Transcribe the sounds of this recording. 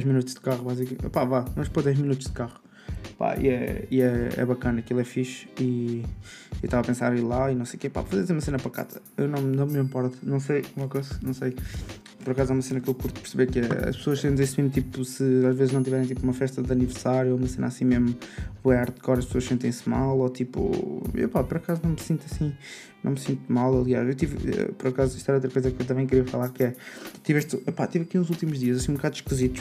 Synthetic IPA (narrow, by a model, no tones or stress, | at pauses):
d̪ɛʒminut̪uʒ̥d̪ɨkaʁuβazikmepavamɐʃpod̪ɛʒminut̪uʒ̥d̪ɨkaʁu | pa̰ḭɛiɛɛ̰βɐkɐnɐɐkilˠɛfiʃiː | t̪avaɐpẽsa̰ɾilˠainɐ̃w̃sejukepa̰pfɐzeɾɐzeɾumɐsenɐpɾɐka̰t̪ɐ̥ | ewnɐ̃w̃nɐ̃w̃mĩmpɔɾt̪nɐ̃w̃sɐjakozɐnɐ̃w̃sej | pɔɾɐkazaumɐsenɐkewkuɾt̪u̥pɨɾsɨβeɾkɛɐ̰ʃpsoɐʃsẽnt̪̬ẽsmĩnt̪ipusɨaʒvezʒnɐ̃w̃t̪ivɛɾẽt̪ipumɐfɛʃt̪ɐðɐnivɨɾsaɾjuoumɐsẽnasĩmeʒmuβoaɾt̪kɔɾɐʃpsoɐʃsẽnt̪̬ɐ̃j̃sma̰lˠɔt̪ipṵḛwpapɔɾɐkazunɐ̃w̃msĩnt̪ɐsĩ | nɐ̃w̃msĩnt̪umalˠɐlˠia̰ʃewt̪iv̰pɔɾɐkaziʃt̪ɛɾot̪ɾɐkojzɐkewt̪avɐ̃kɾiɐfɐlˠaɾkɛt̪ivɛʃt̪pat̪ivɐkinuzulˠt̪imuʒðiɐzɐsĩũbukaðʃkɨzit̪u̥ʃ